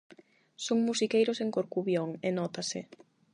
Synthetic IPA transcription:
soŋmusikejɾʊseŋkoɾkuβjoŋenɔt̪asɪ

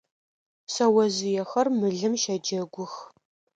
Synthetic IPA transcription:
sɐwɐzɪjɛxɐrmɨɮɨmʃɐd͡ʒɐɡʷʊx

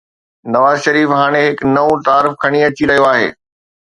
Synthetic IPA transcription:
nɐʋaːzʃɐɾiːfɦaːɽ̃eɦɪknɐũt̪aːɾɪfkʰɐɽ̃iɐt͡ɕiɾɐɦijoaːɦḛː

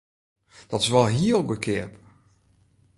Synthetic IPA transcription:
d̥ɔtɪ̥sʋɔlˠɦiəlˠɡəkʰɪəp

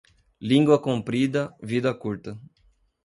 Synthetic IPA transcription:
lĩŋɡwɐkõmpɾid̪ɐvid̪ɐkuɾt̪ɐ

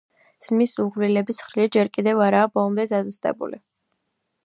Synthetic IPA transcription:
z̥misuʁlilɛbisχɾiad͡ʒɛɾkʼid̪ɛvaɾaːbɔlˠɔmd̪ɛzazust̪ʼɛ̰bṵlḭ

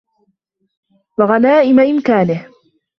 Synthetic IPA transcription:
waɣanaːʔɪmaʔɪmkaːnɪh

